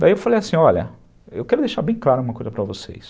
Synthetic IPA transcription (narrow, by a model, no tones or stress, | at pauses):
d̪aiewfalejasĩɔʎɐ̰ | ḛwkɛɾʊd̪ejʃaɾbẽj̃klˠaɾʊɐɡũmɐkojzɐpɾɐvosḛjs